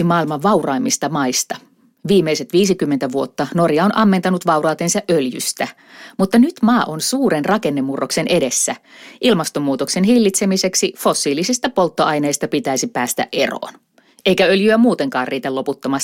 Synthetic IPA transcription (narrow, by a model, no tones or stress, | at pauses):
imɑːilmɑʋʋɑurɑimːist̪ɑmɑist̪ɑ | ʋiːmeise̞t̪ʋiːsikymːent̪æʋuo̞t̪ːɑno̞rjɑonʔɑmːent̪ɑnut̪ʋɑurɑːt̪ensɑʔʔøljy̰st̪æ | mut̪ːɑnyt̪mɑːʔonsuːɾenrɑke̞nːemːurːokse̞ne̞de̞sːæʔilmɑst̪o̞mːuːt̪oksenhilːit̪semise̞ksifo̞sːiːlisist̪æpo̞lt̪ːoɑjneist̪ɑpit̪æisipæːst̪æ̰ʔʔe̞̰ro̰ːn | eikæø̞ljyæmuːt̪e̞ŋkɑːrriːt̪ælo̞put̪ːomɑs